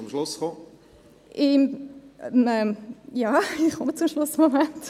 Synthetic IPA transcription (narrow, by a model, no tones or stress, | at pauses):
ʊmʃlʊsχo | ʔɪ | ɛmɛmjaːɪχkɔmət͡sʊmʃlʊsmomɛnt